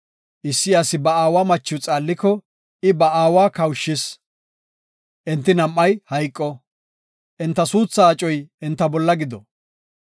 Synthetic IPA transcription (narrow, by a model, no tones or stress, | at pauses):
ʔɪsːɪjaːsɪbɐaːwaːmɐt͡ʃːʊt͡sʼaːlːɪkːɔ | ʔɪbɐaːwaːkɐwʃːɪs | ʔɛnt̪ːɪnɐmːɐjhɐjkʼːɔ | ʔɛnt̪ːɐsuːt͡sːaːt͡ʃʼɔjɪnt̪ːɐbɔlːɐɡɪd̪ɔ